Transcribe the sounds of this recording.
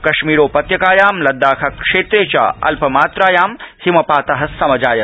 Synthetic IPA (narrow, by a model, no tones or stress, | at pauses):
kɐʃmiːɾoːpɐt̪jɐkaːjaːmlɐd̪ːaːkʰɐkʂeːt̪ɾeːt͡ʃɐ̰ɐ̰lpɐmaːt̪ɾaːjaːmhimɐpaːt̪ɐɦɐsɐmɐd͡ʒaːjɐ